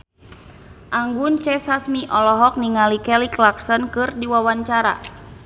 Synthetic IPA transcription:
ʔaŋɡunt͡ʃɛsasmiʔɔlɔɦɔk̚niŋalikɛliklaksɔnkɨrdiwawaɲt͡ʃaɾa̰

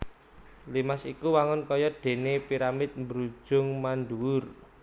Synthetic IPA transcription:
limasikuwaŋʊnkɔjɔd̥e̤nepiɾamɪt̪̚mbɾu̥ʒ̥ʊ̤ŋmanduwʊr

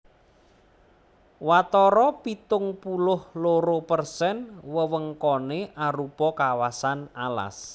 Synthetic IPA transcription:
wat̪ɔɾɔpit̪ʊŋpulʊhloɾopərsɛnwəwəŋkɔneʔaɾupɔkawasanala̰s

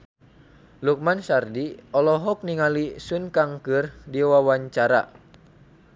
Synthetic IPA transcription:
luk̚mansardiɔlɔɦɔk̚niŋalisunkaŋkɨrdiwawaɲt͡ʃaɾa̰

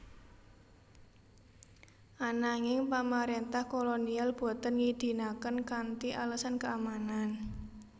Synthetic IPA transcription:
ʔanaŋɪŋpamaɾent̪ahkolonialb̥ɔ̤t̪ənŋid̪̥i̤nakənkant̪iʔaləsankəamanan

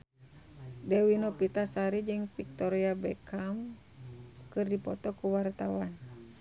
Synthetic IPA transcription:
dɛwinɔpit̪asaɾid͡ʒɨŋfik̚t̪ɔɾiabɛkʰam | kɨrdipɔt̪ɔkuwart̪awan

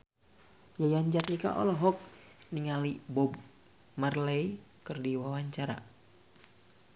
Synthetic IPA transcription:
jajaɲd͡ʒat̪nika̰ʔɔ̰lɔɦɔk̚ | niŋalibɔb̚ | marlɛj | kɨrdiwawaɲt͡ʃaɾa̰

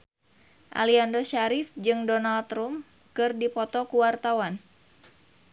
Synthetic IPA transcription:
ʔa̰liandoʃaɾɪfd͡ʒɨŋdɔnalt̪rum | kɨrdipɔt̪ɔkuwart̪awan

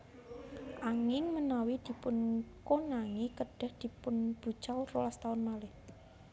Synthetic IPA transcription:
ʔaŋɪŋmənawid̪̥i̤pʊnkonaŋikəɖ̥ə̤hd̪̥i̤pʊnb̥ṳ̥t͡ʃawrolast̪aʊnmalɪh

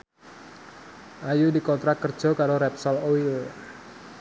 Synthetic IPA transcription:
ʔajudikɔnt̪ɾak̪̚kərd͡ʒɔkaɾoɾɛp̚sɔloil

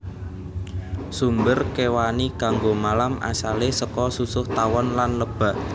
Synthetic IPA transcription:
sumbərkewanikaŋɡomalamʔa̰salesəkɔsusʊht̪awɔnlanləb̥a̤

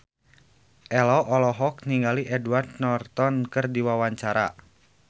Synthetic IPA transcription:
ʔɛlɔʔɔlɔɦɔk̚niŋɡaliʔɛdward̪nɔrt̪ɔnkɨrdiwawaɲt͡ʃaɾa̰

